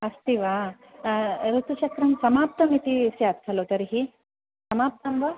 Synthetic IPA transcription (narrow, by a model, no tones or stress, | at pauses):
ɐst̪iʋa | ɾut̪ut͡ʃɐkɾɐmsɐmaːp̚t̪ɐmit̪isjaːt̪sʰɐloːt̪ɐɾiɦi | sɐmaːp̚t̪ɐmʋɐ